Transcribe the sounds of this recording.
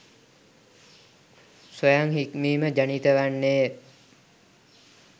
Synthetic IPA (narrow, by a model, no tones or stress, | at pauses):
sojaŋɦikmiːməd͡ʒanit̪əʋanːeː